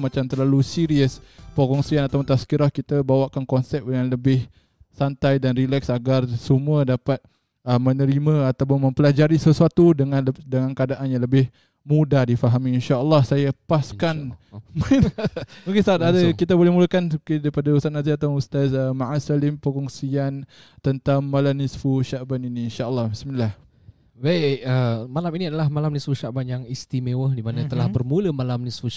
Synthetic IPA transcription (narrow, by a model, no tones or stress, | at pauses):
mat͡ʃamt̪ərlalusiɾiəspokɔŋsianat̪awpʊnt̪askiɾahkit̪abawaʔkankɔnsɛp̚dəŋanləbɪh | sant̪ajdanrilɛksaɡarsəmuədapat̪̚ | əmənəɾimãat̪awpʊnmə̃mpəlad͡ʒaɾisəsuat̪udəŋandəŋankəadaʔanjaŋləbɪh | mudadifaɦamiinʃaəlːɑhsajapaskanmanmukist̪aːt̪adakit̪abolɛhmulakankidaɾipadaust̪at̪naziat̪awust̪asəmaʔasalɪmpəkɔŋsian | t̪ənt̪aŋːalamnisfuʃaʔbaniniːnʃaəlːɑhbismilah | baiəmalaminĩadalahmalamnisfuʃaʔbanjaŋist̪imewəhdimanat̪əlahbərmuləmalamnisfu